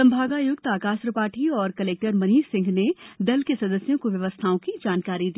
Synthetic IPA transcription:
ɐ̃mbʱaːɡaːjʊɡ̚t̪aːkaːʃɾəpaːʈʰiɔːɾkɐleːk̚ʈəɾmɐniːʃsɪ̃ŋɡned̪ɐlkesɐd̪əsjõkoʋjɐʋəst̪ʰaːõkid͡ʒaːnkaːɾid̪i

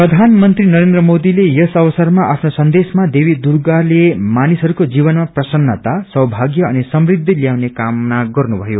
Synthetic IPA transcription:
prʌd̪ʱanmʌnt̪rinʌɾend̪rʌmod̪ilejʌsʌβʌsʌrmaʔapʰnosʌnd̪esmad̪ebid̪urɡalemanisɦʌɾukod͡zibʌnmaprʌsʌnːʌt̪asʌɦbʱaɡjʌʌnisʌmrid̪ʱːiljawnekamːaɡʌrnubʱʌjo

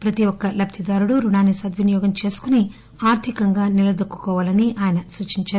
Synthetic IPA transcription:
pɾɐt̪iɔkːɐlɐp̚t̪ʰid̪aːɾuɽuɾuɳaːnisɐd̪ʋinijɔːɡɐmt͡ʃe̞ːsu̥kuni | aːɾt̪ʰikɐŋɡaːniɾɐd̪ɐkːu̥kɔːʋaːlɐniʔaːjɐnɐsut͡ʃiɲt͡ʃaːɾu

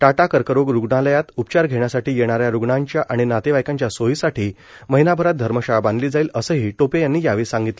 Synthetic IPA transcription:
ʈaʈakəɾkəɾoɡɾuɡɳaləjat̪upt͡ɕaɾɡʱeɳjasaʈiːjeɽ̃aɾjaɾuɡɳãɲt͡ɕjaʔaɽ̃inat̪eʋajkãɲt͡ɕjasoɦisaʈʰiː | məɦinabʱəɾat̪̚d̪ʱəɾməɕaband̪liːd͡zailəsəːɦiːʈopejanːiːjaʋiːsãŋɡit̪lə

